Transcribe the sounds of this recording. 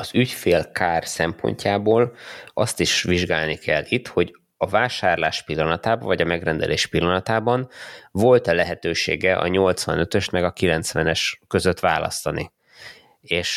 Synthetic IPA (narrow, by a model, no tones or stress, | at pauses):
ɒzycfeːlkʰaːrsɛmpo̰ɲcaːboːlɒst̪iʃʋiʒɡaːlnikʰɛlːit̪ho̞ɟ | ɒvaːʃaːrlaːʃpilːɒnɒt̪aːbɒɱvɒɟɒmɛɡrɛnd̪ɛ̰leːʃpilːɒnɒt̪aːbɒnvo̞lt̪ɛlɛɦɛt̪øːʃḛːɡɛʔɒ̰ɲo̞lt̪sʋɒnø̞t̪øʃt̪mɛɡɒkilɛnt̪sʋɛnɛʃkø̞zø̞t̪ʋa̰ːlɒ̰st̪ɒnḭ | eːʃ